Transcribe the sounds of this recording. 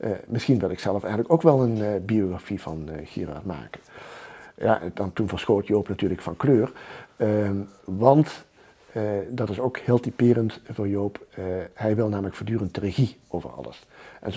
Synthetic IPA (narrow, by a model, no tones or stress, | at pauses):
ʔmɪsχinʋɪlˠɪksɛlˠəfɛjxənləkowkʋɛlˠənbioχafivɑ̰nxḭra̰ːɹma̰ːkən | ja̰ːʔdɑntunvəɹsxoːtjowpnatyːɹləkfɑnkløːr | ʋɑnt | dɑtɪsowkhɪːlˠtipɪːrəntvʊːɹjowphɛjʋɪlˠnaːmələkfoːɹdyːrənt̚ərexi | owvə̰rɑ̰lˠə̰sʔɛ̰n